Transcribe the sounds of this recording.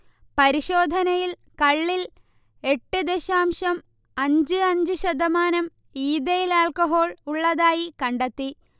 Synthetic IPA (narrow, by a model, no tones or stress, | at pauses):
pɐɾiɕo̞ːd̪ʱɐnɐjil | kɐɭːil | e̞ʈːɨd̪eɕaːmʂɐm | ɐɲd͡ʑɨɐɲd͡ʑɨɕɐd̪ʱɐmaːnɐm | iːd̪ɐjilaːlkɐɦo̞ːɭuɭːɐðaːjikɐɳɖet̪ːi